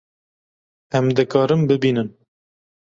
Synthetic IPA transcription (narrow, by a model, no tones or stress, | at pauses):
ɛmd̪ɨkɑːɾɨmbɨbiːnɨn